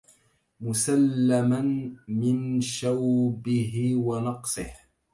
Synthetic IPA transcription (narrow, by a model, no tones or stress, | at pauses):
mʊsalːamanmɪnʃawbɪɦɪwanɑqsˤɨh